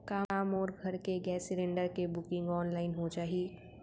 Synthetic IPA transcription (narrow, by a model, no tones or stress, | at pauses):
kaːmɔːɾɡʱɐɾkeɡɛːsɪɾẽːɳɖəɾkebʊkɪ̃ŋɡɔːnlaːɪnɦot͡ʃaːɦieː